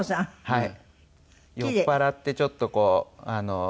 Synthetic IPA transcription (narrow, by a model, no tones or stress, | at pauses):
ɕãhai | jokepaɾat̪ːe̞t͡ɕo̞t̪ːo̞ko̞ːano